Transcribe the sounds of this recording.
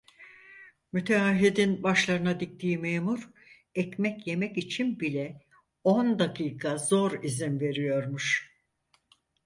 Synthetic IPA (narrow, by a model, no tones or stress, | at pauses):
myt̪ʰeaɦid̪inbaʃlˠaɾɯnad̪ik̚t̪ʰiːimeːmuɾ | ɛcmɛcje̞mɛcit͡ʃʰinbilʲɛ | o̞nd̪akʰɯːkʰazo̞ɾizinve̞ɾijo̞ɾmuʃ